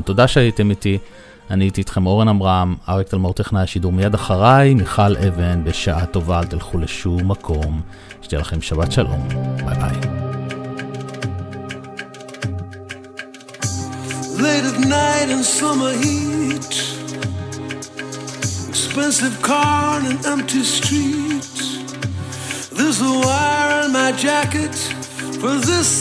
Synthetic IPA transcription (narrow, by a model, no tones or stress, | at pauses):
t̪o̞daʃeajitemiti | aniitiːt̪χemo̞ʁenamʁamaʁekt̪almoʁt̪eχnajaʃiduʁmijad̪aχaʁajmiχalʔeve̞nbe̞ʃaʔato̞vaːlt̪ilχule̞ʃumːakʰo̞m | ʃe̥tejelaχemʃabat̪ʃalʔo̞̰mba̰la̰j | leɪɾɨtnaɪɾɨ̃nsʌmə˞hit | ɨkspɛ̃nsɨv̥kʰɑɹnɨ̃nɛ̃mp̚tʰistɹit | ðɪsəwaɪ˞ɪ̃nmaɪd͡ʒækɨt | fə˞ðɪs